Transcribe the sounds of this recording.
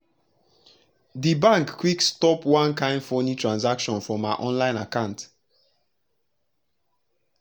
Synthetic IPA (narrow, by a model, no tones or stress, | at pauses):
dibãŋkːwikstɔpwãnkãɪ̃ndfɔnitʰɹãnzakʃɔ̃nfɹɔmaɪʔɔ̃nlãɪ̃nakãʊ̃nt